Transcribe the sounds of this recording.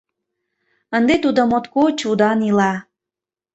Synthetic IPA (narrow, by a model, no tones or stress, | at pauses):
ənd̪et̪ud̪omot̪kot͡ɕud̪ɑnilɑ